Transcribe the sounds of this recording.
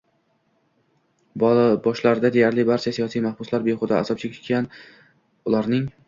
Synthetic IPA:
bbɒʃlaɾɪd̪ad̪ejaɾlɪbaɾt͡ʃʰasijɒsijmahb̥ʊslaɾbeχʊd̪a̰ːsɒp̚t͡ʃʰekʲʰɪ̥t̪ʲan | ʊlaɾnɪŋ

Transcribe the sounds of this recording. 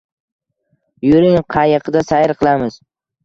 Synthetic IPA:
jʊɾɪŋqʰɑjɪqʰɨd̪asajɪɾqʰɨlˠamɪz̥

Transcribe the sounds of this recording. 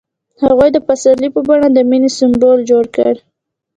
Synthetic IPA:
haɣujd̪əpasalipəbɑɽad̪əminesɪmbold͡ʒoɽkə̰ɽ

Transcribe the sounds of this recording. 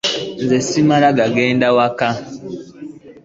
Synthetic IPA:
nzesimalaɡaɡeːndawaka

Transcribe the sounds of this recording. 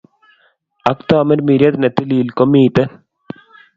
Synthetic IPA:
ɐkt̪oɐmɐɾmiɾjɐt̪nɐt̪iliːlkomiːt̪ɐn

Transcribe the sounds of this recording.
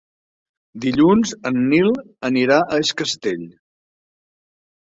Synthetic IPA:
d̪iʎunzənːilˠ | əniɾaʔəeskəst̪eʎ

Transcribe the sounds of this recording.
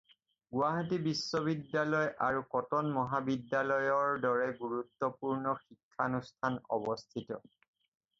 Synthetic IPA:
ɡuaɦatibisːɔβidːalɔjʔaɹukɔtɔnmɔɦabidːalɔjɔɹdɔɹɛɡuɹut̪ːɔpuɹnɔxikʰːanustʰanɔ̰bɔstʰitɔ̰

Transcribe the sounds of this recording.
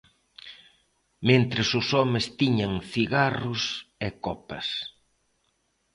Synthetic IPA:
mẽnt̪ɾɪsʊsɔmɪst̪iɲɐŋθiɣarʊsɛkɔpɐ̰s

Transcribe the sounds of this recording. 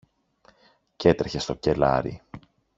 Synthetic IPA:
ce̞t̪ɾeçe̞st̪o̞ce̞lɐ̰ɾḭ

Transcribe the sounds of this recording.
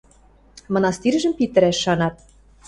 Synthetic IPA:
mɤ̆nɑst̪irʒə̆mpit̪ɘ̆ɾæʃːɑnɑt̪̚

